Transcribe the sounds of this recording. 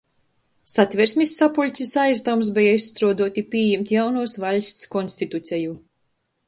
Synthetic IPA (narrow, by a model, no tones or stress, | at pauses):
sat̪ʲvʲɛɾsmʲisːapulʲt̪sʲisajzd̪awms̬bɛjaisːt̪ɾuɔd̪uɔt̪ʲipʲiːjɛmt̪ʲjawnuɔsvalʲsʲt̪skɔnsʲt̪it̪ut̪sʲɛju